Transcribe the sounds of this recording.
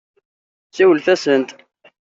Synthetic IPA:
siwəlθæsənt̪

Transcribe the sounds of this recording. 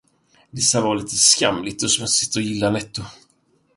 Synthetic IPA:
d̪ɛsːavɑːliːt̪əska̰mlɪt̪ɔsmœsɪ̥t̪ːəɔjɪlːanɛt̪ːʊ

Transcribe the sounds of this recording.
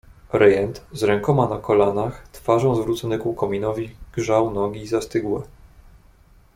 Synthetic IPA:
ɾɛjɛnt̪zɾɛŋkɔmanakɔlanaxt̪faʐɔ̃w̃zvɾut̪sɔnɛkukɔmʲinɔvʲiɡ̥ʐawnɔɡʲiːzast̪ɘɡwɛ

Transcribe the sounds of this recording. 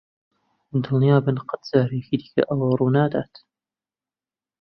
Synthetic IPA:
d̪ɨlnjɑːbɨnqɑt̪z̥aːɾikiːd̪ikʲɐ̰ʔɐwɐruːnaːd̪aːt̪

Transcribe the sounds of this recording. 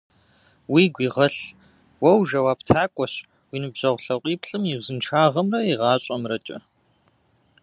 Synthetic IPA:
wiːɡʷiːʁɐɬ | wɐwʒɐwaːptʰaːkʷʼɔɕ | wiːnɨbʑ̥ɐʁʷɬɐqʷʼiːpʰɬʼɨmjiwzɨnʈ͡ʂʰaːʁɐmrɐiʁɑːɕʼɐmrɐt͡ʃʼɐ̰

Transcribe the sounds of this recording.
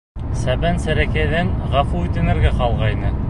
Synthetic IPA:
sæbænsæɾækæjðɘnʁɑfuʉt̪ɘ̆nɘ̆ɾɡæqɑlˠʁɑjnɘ

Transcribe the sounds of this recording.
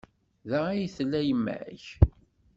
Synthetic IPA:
ðəʁijθlːæjəmːæ̰ç

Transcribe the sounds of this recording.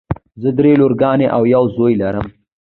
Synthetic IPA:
zəd̪ɾeloɾɡɑːneʔawjawzojlaɾəm

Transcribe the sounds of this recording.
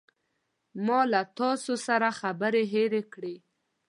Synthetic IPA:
mɑlat̪ɑsosaɾaxabəɾeɦeɾekɽe

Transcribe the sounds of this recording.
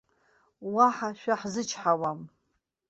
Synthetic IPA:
waħaʃᶣaħzɨt͡ʃʰħawam

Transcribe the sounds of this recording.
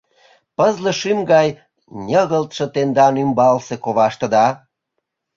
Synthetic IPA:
pəzlə̆ʃymɡɑj | nʲəɣəlt̪ʃɤ̆t̪end̪ɑnymbɑlsekoβɑʃt̪ə̆d̪ɑ

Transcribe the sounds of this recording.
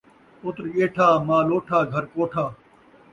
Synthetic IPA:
ʊt̪ɾʄeːʈʰaːmãːloːʈʰaːɡʱəɾkoːʈʰaː

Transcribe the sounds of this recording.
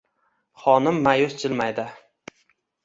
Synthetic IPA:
χɒnɪmːajʊst͡ʃʰɪlmajd̪ɪ

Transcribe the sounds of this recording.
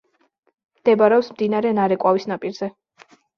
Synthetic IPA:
md̪̥ɛbaɾɛɔpsmd̪inaɾɛnaɾɛkʼwavisnapʼiɾz̥ɛ

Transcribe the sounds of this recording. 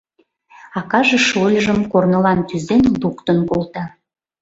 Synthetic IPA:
ɑkɑʒeʃolʲʒəmkornəlɑnt̪yzenlukt̪ənkolt̪ɑ

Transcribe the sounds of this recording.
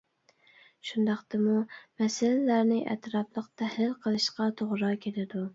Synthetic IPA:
ʃund̪ɑqt̪ɨmumɛsɪlɪlæɾnɪʔɛ̰t̪ɾɑplˠəqt̪ʰæhlɪlqʰəlˠɨʃqɑt̪ʰoʁɾɑkʲʰelɪd̪u

